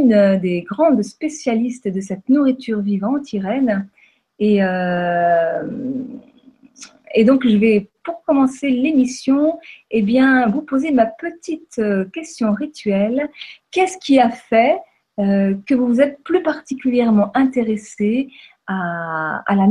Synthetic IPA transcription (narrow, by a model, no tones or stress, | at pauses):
nd̪eɡʁɑ̃d̪spesjalist̪d̪əsɛt̪nuʁit̪ʰyʁvivɑ̃t̪iʁɛn | eø | ed̪ɔ̃kʒəvɛpuʁkɔmɑ̃selemisjɔ̃ebjɛ̃vupozemapət̪it̪økʲɛst̪jɔ̃ʁit̪ɥɛlkʲɛsə̥kʲiafɛ | økəvuvuzɛt̪̚plypaʁt̪ikʲyljɛʁmɑ̃ʔɛ̃t̪eʁese | a | a̰la